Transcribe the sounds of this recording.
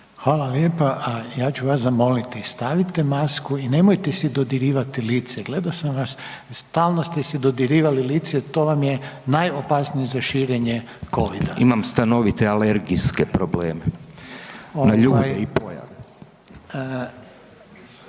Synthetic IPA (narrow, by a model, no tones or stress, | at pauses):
xʋaːlaljepaʔajaːt͡ɕuʋaszamo̞lit̪ist̪aʋit̪emaskuine̞mojt̪esid̪od̪iɾiːʋat̪iliːt̪seɡle̞d̪asamʋasst̪aːlˠnost̪esid̪o̞d̪iɾiːʋalilit̪set̪o̞ːʋamjenajo̞pasnijizaʃiːɾeɲe | ko̞ʋid̪aḭmamst̪ano̞ʋit̪ealeɾɡiskepɾobleːme | onaʎuːbjeipoja̰ʋe